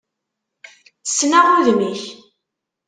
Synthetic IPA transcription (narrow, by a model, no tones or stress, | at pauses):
θə̥sːnaʁʊðmiç